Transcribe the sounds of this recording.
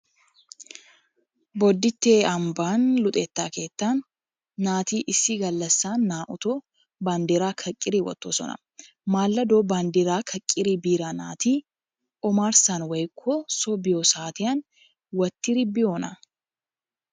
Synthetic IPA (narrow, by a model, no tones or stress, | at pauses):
bɔd̪ːɪt̪ːeːɐmbaːnlʊt̪ʼɛːt̪ːaːke̞ːt̪ːaːnː | aːt̪iːʔɪsiɡɐlːɐsːaːnːaːʔʊt̪oː | baːnd̪iɾaːkʰɐkʼːɪɾiːwɐ̰t̪ːosɔ̰nɐ̰ | maːlːɐd̪oːbaːnd̪iɾaːkʰɐkʼːɪɾiːbiːɾaːna̰ːt̪iː | ʔɔmaːɾsanwɐjkʰːosɔbɪjoːsaːt̪ɪjɐn | wɐt̪ːɪɾɪbɪjoːnɐ